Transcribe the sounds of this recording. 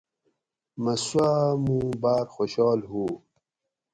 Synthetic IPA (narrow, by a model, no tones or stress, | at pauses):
mɐswamũːbaːɾxoɕɑːlɦuː